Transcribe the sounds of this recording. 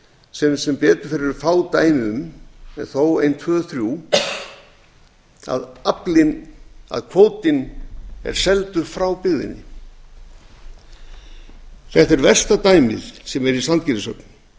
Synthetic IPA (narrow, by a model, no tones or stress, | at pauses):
sɛmsɛmpɛːt̪ʏɾ̥fɪɾɪɾʏfaːwt̪aːjmɪʏmɛðθoːwejnt̪ʰvœːðθɾju | a̰ðaplɪna̰ðkʰvoːwt̪ɪnɛ̰ɾ̥sɛlt̪ʏɾfɾawpɪɣðɪ̰nːɪ̰ | θɛt̪ɛɾvɛr̥st̪at̪aːjmɪ̰ð̥sɛmɛɾisant̪̚cɪɪsœkn